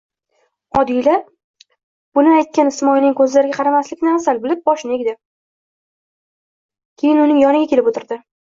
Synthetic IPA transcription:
ɒd̪ijla | b̥ʊnɪajt̪̚kʲanɪsmɒjnɪŋkʰɵzlaɾɪɡʲaqʰɑɾamaslɪkʲnɪasalbɪlɪp̚bɒʃɪneɡʲd̪ɪ | kʲʰe̞jɪnʊnɪŋjɒnɪɡʲakʲe̞lɪpot̪ɪɾd̪ɪ

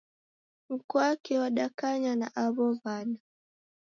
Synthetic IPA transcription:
m̩kɔakiwaɗakaɲana̰ʔaβɔvana

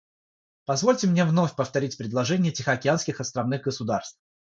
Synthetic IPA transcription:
pɐzvolʲtʲɪmnʲe̞vno̞fʲpəft̪ɐɾʲitʲpɾʲɪd̪lˠɐʐɛnʲɪjətʲɪxəɐkʲɪanskʲɪxɐst̪ɾɐvnɨɣɡəsʊd̪arst̪f

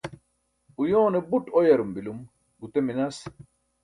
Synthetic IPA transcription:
ujoːnebuʈɔjɐɾumbilum | ɡut̪eminɐs

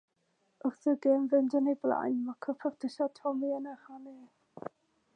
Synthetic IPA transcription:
ʔʊrθəɡemvəndənejblˠa̰jnmakʰɔpʰɔrd̥ʰəʃatʰɔmiənəhane

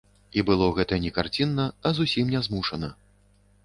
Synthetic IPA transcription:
ibɨlˠɔɣɛt̪ɐjɐnʲɛkart͡sʲinːɐɐzusʲimnʲɛzmuʂɐnɐ

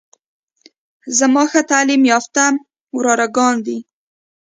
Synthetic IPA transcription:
zamɑxat̪alimjɑft̪a | wɾɑɾaɡɑnd̪i

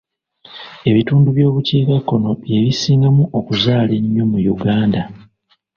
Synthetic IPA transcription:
e̞βituːnduβjo̞ːβuciːkakːo̞no̞βje̞βisiːŋɡamuʔokuzaːle̞ɲːo̞mujuɡaːnda

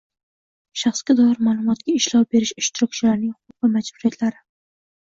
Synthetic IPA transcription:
ʃɑχskʲad̪ɒɪɾmaːlˠʊmɒt̪kʲaɪʃlɒwbe̞ɾɪʃʊʃt̪ɪɾɔkʰʲt͡ʃʰɪlaɾnɪŋhʊʊp̚vamad͡ʒbʊɾijat̪ʰlaɾɪ

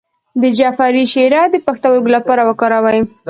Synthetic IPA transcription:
d̪əd͡ʒafaɾiʃeɾɑd̪əpaxt̪awaɡlapɑɾawəkɑɾawaj

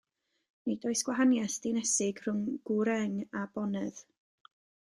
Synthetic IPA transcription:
nidoɨsɡ̥waɦanjasd̥ɪnɛsɪɡr̥ʊŋɡ̥uɾɛŋabɔnɨð̥

